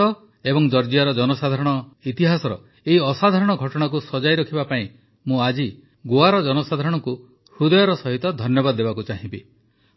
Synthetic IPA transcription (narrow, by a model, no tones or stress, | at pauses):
ɔ | ebɔŋd͡ʒɔɾd͡ʒijaɾɔd͡ʒɔnɔsad̪ʱaɾɔɽ̃ɔit̪iɦasɔɾɔ | eiɔsad̪ʱaɾɔɽ̃ɔɡʱɔʈɔɽ̃ak̬usɔd͡ʒajɾɔkʰibapaĩ | mũad͡ʒi | ɡoaɾɔd͡ʒɔnɔsad̪ʱaɾɔɽ̃ɔŋku | hud̪ɔjɔɾɔsɔɦit̪ɔd̪ʱɔnjɔbad̪ɔd̪ebakut͡ʃaɦĩmbḭ